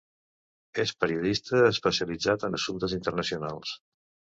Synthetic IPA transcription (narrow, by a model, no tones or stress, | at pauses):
espəɾiuðist̪əːspəsiəlid͡zat̪ənəsunt̪əzint̪ərnəsiunalˠs